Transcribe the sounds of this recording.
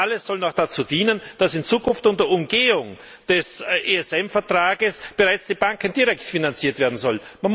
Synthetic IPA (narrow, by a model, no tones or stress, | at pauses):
ʔaləsːɔlnɔd̥at͡suːd̥iːnənd̥asɪnt͡suːkʰʊnftʊntdəɐʊmɡeːʊŋ | d̥ɛsʔeɛsɛmfɛɐtʁ̥aːɡəsb̥əʁaɪt͡sd̥iːb̥aŋkənd̥iːʁɛktfinant͡siːɐtv̥eːɐdn̩zɔlman